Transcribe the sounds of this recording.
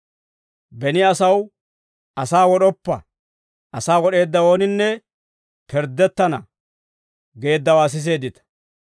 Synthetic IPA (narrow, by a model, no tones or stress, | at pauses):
bɛnɪɐsɐw | ɐsaːwɔɗɔpːɐ̰ | ɐsaːwɔɗe̞ːd̪ːɐwo̞ːnɪnːɛ | pʰɛɾd̪ːɛt̪ːɐnɐ | ɡe̞ːd̪ːɐwaːs̬ɪs̬e̞ːd̪ɪt̪ɐ̥